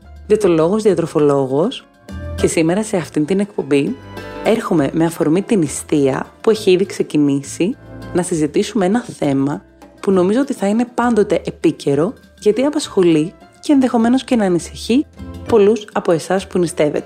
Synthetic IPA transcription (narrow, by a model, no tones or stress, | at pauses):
ʝɐt̪olo̞ɣo̞zðiɐt̪ɾo̞fo̞lo̞ɣo̞s | ce̞sime̞ɾɐse̞ɐft̪ind̪ine̞kpo̞mbie̞ɾxume̞meɐfo̞ɾmit̪inist̪iɐ̰pue̞çiiðikse̞cinisinɐsizit̪isumeenɐθe̞mɐ | puno̞mizo̞ot̪iθɐine̞pɐnd̪o̞t̪e̞ʔepice̞ɾo̞ | ʝɐt̪iɐpɐsxo̞lice̞ːnðe̞xo̞me̞no̞sce̞nɐːnisi̥çipo̞lusɐpo̞e̞sɐspunist̪e̞vḛt̪e